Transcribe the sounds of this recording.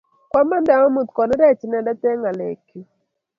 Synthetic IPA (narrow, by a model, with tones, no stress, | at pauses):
kwa˦ma˦nda˨ŋɔ˦mu˨t̪kɔ˨ni˦ɾɛ˦t͡ʃnɛ˨da˦tɛ˦ŋa˨lḛ˨kju˨